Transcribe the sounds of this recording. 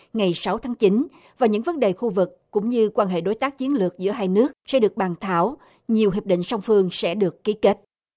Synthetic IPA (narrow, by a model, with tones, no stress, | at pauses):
ŋa˨˩jsa˨˦wt̪ʰaː˨˦ŋt͡ɕi˨˦n | vaː˨˩wɲɨ̰˧˥ŋvə˨˦nɗe˨˩xu˧vɨ˨˩kːʊ̰˧˥ŋ͡mɲɨ˧kwaː˧nɦḛ˧˨ɗo˨˦jt̪aː˦˥k̚t͡ɕi˨˦ənlɨ˨˩ək̚zɨ̰˧˥əɦaː˧jnɨ˦˥ək̚sɛ̰˧˥ɗɨ˨˩ək̚ɓaː˨˩nt̪ʰa̰ː˧˩w | ɲi˨˩əwɦi˨˩p̚ɗḭ˧˨ŋsa˧wŋ͡mfɨ˧əŋsɛ̰˧˥ɗɨ˨˩əkːi˨˦ke˦˥t̚